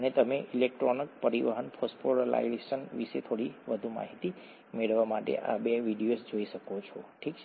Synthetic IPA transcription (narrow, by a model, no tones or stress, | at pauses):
ənet̪əmeʔilek̚ʈɾonək̚pəɾiʋəɦənpʰɔspoɾala̰ieʃənʋiʃet̪ʰoɽiʋəd̪ʱuma̰ɦit̪i | meɭʋamaʈḛʔa̰beʋiɖijosd͡ʒoiʃəkot͡ʃʰɔʈʰikt͡ʃʰ